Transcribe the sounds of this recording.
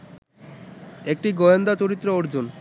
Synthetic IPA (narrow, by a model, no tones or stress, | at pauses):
ek̚ʈiɡɔjond̪at͡ɕoɾit̪ːɾeoɾd͡ʑon